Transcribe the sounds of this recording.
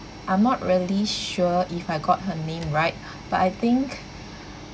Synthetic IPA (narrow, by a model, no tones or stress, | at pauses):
ʔãj̃mnɔt̚ɹiəliʃuəifajɡɔt̚ɦənẽmɹaɪt̚ | b̥atajt̪ɪ̃ŋk